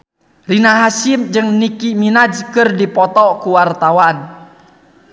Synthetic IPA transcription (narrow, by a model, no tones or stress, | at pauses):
rinaɦasimd͡ʒɨŋnikiminad͡ʒkɨrdipɔt̪ɔkuwart̪awan